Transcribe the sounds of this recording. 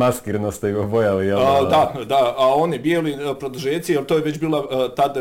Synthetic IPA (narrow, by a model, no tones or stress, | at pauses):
maskiɾnost̪eiobojalijɛld̪ad̪aao̞nibjeːlipɾod̪uʒeːt̪sijelˠt̪oːjeʋe̞t͡ɕbiːlat̪ad̪